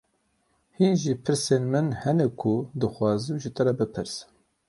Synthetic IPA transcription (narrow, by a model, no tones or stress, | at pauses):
hinʒipʰɨɾseːnmɨnhɛnɛkʰud̪ɨxʷwɑːzɨmʒit̪ʰɨɾɛbɨpʰɨɾs